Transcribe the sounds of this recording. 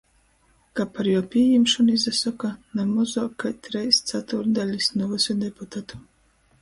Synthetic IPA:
kapaɾjɔwpʲiːjimʃunizasɔkanamɔzɔkajt̪ɾɛjst̪sat̪uɾd̪alʲisnuvɨsʲɔd̪ɛput̪at̪u̥

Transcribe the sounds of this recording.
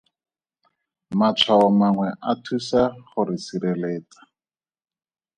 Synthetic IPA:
mat͡sʰwaɔmaŋwɛʔatʰusaχʊɾɪsiɾeleːt͡sḁ

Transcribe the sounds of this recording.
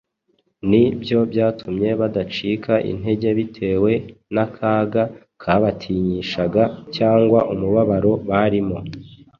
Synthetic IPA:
nibjo̞bjaːtʰumɲe̞βadat͡ʃiːkʰaʔḭn̥he̞ɟe̞βitʰe̞ːwe̞nakʰaːɡa | kʰaβatʰiɲiʃaɡacaːŋɡwaʔumuβaβaɾo̞βaɾimo̞

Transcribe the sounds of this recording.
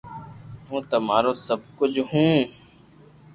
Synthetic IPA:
ɦũːt̪əmaːɾoːsəb̚kʊd͡ʒʱɦũː

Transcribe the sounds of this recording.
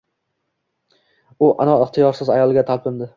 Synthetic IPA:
ʊʔa̰nɒɪχt̪ʰijɒɾsɪzajɒlˠɡʲat̪ʰalpʰɪmd̪ɪ

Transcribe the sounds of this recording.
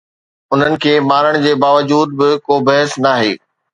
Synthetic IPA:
ʊn̤ənɪ̆kʰeːmaːɾəɽ̃d͡ʑeːbaːʋəd͡ʑuːd̪̚bɪkoːbɐɦəsnaːɦḛː

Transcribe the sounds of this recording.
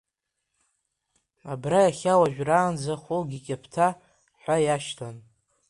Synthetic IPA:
abrajaχʲawaʒᶣʷraːnd͡zaχolɡʲikʲʼapʰtʰa | ħʷajaʃtʰan

